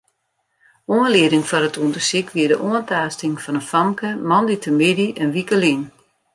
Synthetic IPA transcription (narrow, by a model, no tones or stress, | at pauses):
uənlɪədɪŋfɔnətʰuəndəsikʋiədəʔuəntaːstɪŋfɔnənfamkəmɔnditəmidiʔɛnʋikəlin